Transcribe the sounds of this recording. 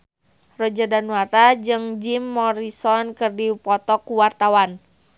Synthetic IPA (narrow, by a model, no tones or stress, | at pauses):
rɔd͡ʒadanuaɾad͡ʒɨŋd͡ʒimːɔɾisɔnkɨrdipɔt̪ɔkuwart̪awan